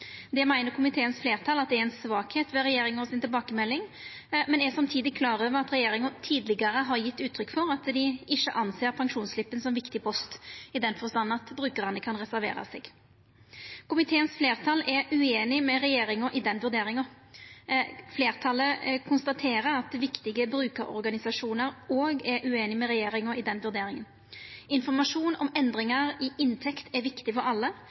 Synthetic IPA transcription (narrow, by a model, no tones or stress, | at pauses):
d̪ɛmæɪnəɾkʰʊmɪt̪ʰeːənsfleːʁt̪ʰɑlɑt̪̚d̪ɛɛnsʋɑːkheːt̪ʋɛɾɛjeːɾɪŋəɔsɪnt̪ɪlbɑːkəmɛlːɪŋ | mɛnɛsɑmt̪ʰiːd̪ɪkʰlɑːɾøːʋəɾɑt̪ɾɛjeːɾɪŋɑt̪ʰiːd̪lɪɡəɾəɦɑɾjɪt̪ːʉːt̪ʰːɾʏkːfɔɾɑt̪d̪ɪɪçːəʔɑnseːɾpʰɑŋʂuːnslɪpːənsɔmʋɪkt̪ɪpʰɔst̪ɪd̪ɛnfɔst̪ɑnːɑt̪bɾʉːkəʁɑnəkʰɑnʁɛsæɾʋḛːɾɑ̰sɛːɡ̥ | kʰʊmɪt̪ʰeːənsfleːɾt̪ʰɑlɛɾʉeːnɪmɛɾɛjeːɾɪŋəʔɪd̪ɛnʋʉɾd̪eːɾɪŋə | fleːɾt̪ʰɑləkʰʊnst̪ɑt̪ʰeːɾəɾɑt̪̚d̪ɛʋɪkt̪ɪɡəbɾʉːkəɾɔ̰ɾɡɑnɪsɑʂuːnəɾoːɡɛɾʔʉeːnɪmɛɾɛjeːɾɪŋəɪd̪ɛnʋʉɾd̪eːɾɪŋən | ɪnfɔʁmɑʂuːnɔmɛnd̪ɾɪŋɑɾɪʔɪnt̪ʰɛkt̪ʰɛɾʋɪkt̪ɪfɔɾɑlːə